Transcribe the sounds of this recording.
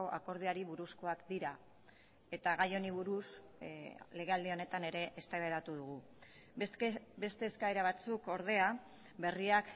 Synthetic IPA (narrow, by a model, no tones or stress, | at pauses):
o̞ʔako̞ɾð̞iaɾiβuɾusko̞akd̪iɾa | e̞t̪aɣajo̞niβuɾus | le̞ɣ̞e̞ald̪io̞ne̞t̪ane̞ɾe̞ʔːst̪aβeðat̪uð̞uɣ̞u | be̞st̪e̞ːskaeɾaβat͡suko̞ɾðe̞a | βe̞riak